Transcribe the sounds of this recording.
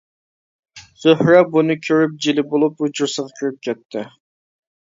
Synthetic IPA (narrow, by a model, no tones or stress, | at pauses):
z̥øhɾɛbunɨkʲʰøɾyp̚d͡ʒilɪbolˠuput͡ʃʰuɾsəʁɑkʲʰyɾyp̚kʲʰɛt̪ʰːɪ